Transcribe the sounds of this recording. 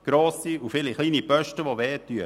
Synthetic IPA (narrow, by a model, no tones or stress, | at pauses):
ɡ̥ɾoːsiufɪliχliːnipœʃtəʋoʋɛːtːyə